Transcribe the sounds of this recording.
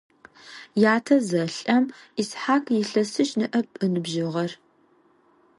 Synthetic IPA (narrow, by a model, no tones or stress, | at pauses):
jaːtʰɐzɐɬʼɐmisħaːkʰjɪɬɐsɨʃnɨʔɐpʼɨnɨbʒɪʁɐr